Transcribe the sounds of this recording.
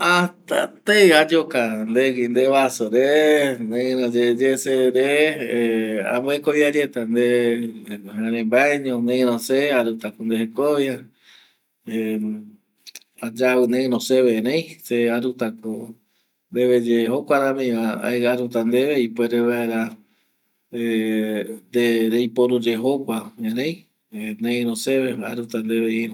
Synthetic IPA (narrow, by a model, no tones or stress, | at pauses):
at̪a̰t̪ejad͡ʒokand̪eɡind̪eβasoɾenẽɾõd͡ʒed͡ʒeseɾe | ã̰mboekoβjad͡ʒet̪and̪e | ãɾẽmbaeɲõnẽɾõseaɾut̪akond̪eɦekoβja | e | ad͡ʒaβɨnẽɾõseβeɾẽjseaɾut̪ako | nd̪eβed͡ʒeɦokʷaɾãmẽaa̰eɣaɾut̪and̪eβeipweɾeβaeɾa | e | nd̪eɾejpoɾud͡ʒeɦokʷaẽɾẽj | nẽĩɾõseβea̰ɾut̪and̪eβeiõ